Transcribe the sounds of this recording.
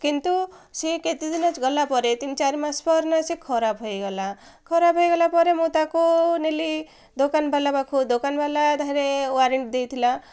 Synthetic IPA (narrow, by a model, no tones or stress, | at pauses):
kint̪u | seket̪id̪inat͡ʃɡɔlapɔɾet̪int͡ʃaɾimãspɔɾnasekʰɔɾapɦojɡɔla | kʰɔɾapɦojɡɔlapɔɾemot̪akoneli | d̪okanbʱalabakʰud̪okanbʱalad̪ʱaɾewaɾeɳʈd̪ejt̪ʰila